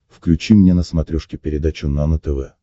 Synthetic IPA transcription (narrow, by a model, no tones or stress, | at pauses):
fklʲʉt͡ɕimnʲenəsmɐt̪ɾʲuʂkʲɪpʲɪɾʲɪd̪at͡ɕʊnanət̪ɛvɛ